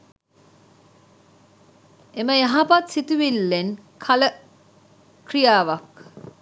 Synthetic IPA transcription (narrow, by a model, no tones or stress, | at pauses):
eməjaɦapat̪sit̪uʋilːenkʰɐlə | krijaːʋɐk